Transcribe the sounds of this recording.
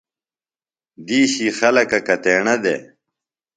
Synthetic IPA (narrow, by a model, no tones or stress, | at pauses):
d̪iːɕiːxɐlɐkɐkɐt̪eːɳɐd̪ḛ